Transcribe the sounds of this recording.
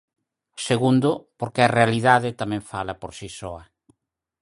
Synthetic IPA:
seɣund̪ʊpoɾkeɐrealiðaðɪt̪amɛ̃ɱfalɐpoɾsisɔɐ

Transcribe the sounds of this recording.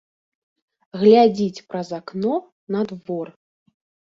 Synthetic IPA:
ɣlʲad͡zʲit͡sʲpɾɐzaknɔ | nɐd̪vɔr

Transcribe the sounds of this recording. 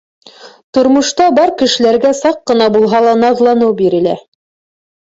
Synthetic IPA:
t̪ŏɾmŏʃt̪ɑbɑɾkɘ̆ʃɘ̆læɾɡæsɑqːɤ̆nɑbulˠɦɑlˠɑnɑðlˠɑnɤwbiɾɘ̆læ

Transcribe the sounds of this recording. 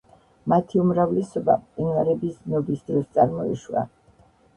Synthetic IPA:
mat̪ʰiumɾavlɛsɔbapʼt̪ʼinvaɾɛbisnɔbisd̪ɾɔst̪sʼaɾmɔḭʃua̰

